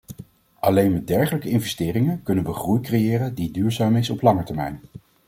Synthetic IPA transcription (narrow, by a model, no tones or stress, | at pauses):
ʔɑlejnmɛt̚dɛɹχələkəɪnvɛstɪːrɪŋənkɵnənʋəχrujkrejɪːrəndidyːɹzaːmɪsɔplɑŋəɹtɛɹmɛ̰jn